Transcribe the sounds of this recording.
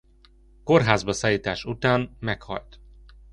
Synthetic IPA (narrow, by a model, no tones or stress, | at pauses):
ko̞rɦaːzbɒsaːjiːt̪aːʃut̪aːnmɛkhɒ̰lt̪